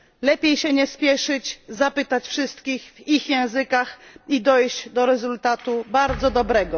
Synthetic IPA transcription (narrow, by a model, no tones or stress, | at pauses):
lɛpʲjejɕɛɲɛspʲjɛʂɘd͡ʑzapɘt̪at͡ɕfʂɘst̪kʲixvixjɛ̃w̃zɘkaxid̪ɔjʑd͡ʑd̪ɔɾɛzult̪at̪ubaɾd̪zɔd̪ɔbɾɛɡɔ